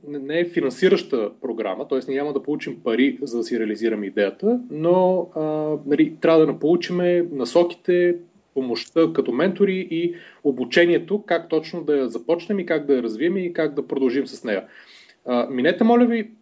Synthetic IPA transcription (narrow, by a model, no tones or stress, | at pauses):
nɛnɛːfinɐnsiɾəʃt̪əpɾoɡɾa̰mət̪ɔɛsnʲamɐd̪ɐpolˠut͡ʃimpɐɾizɐd̪ɐsiɾɛəliziɾəmid̪ɛjət̪ənoənɐlit̪ɾʲavəd̪ɐnɐpolˠut͡ʃimɛnɐsɔki̥t̪ɛ | pomoʃt̪əkɐt̪ɔmɛnt̪oɾiʔiobut͡ʃɛniɛt̪okak̚t̪ɔt͡ʃnod̪ɐjɐzɐpɔt͡ʃnɛmikaɡ̚d̪ɐjɐɾɐzviəmikaɡd̪ɐpɾod̪ɐlˠʒimsɐsnɛjə | əminɛt̪ɛmɔlʲəvi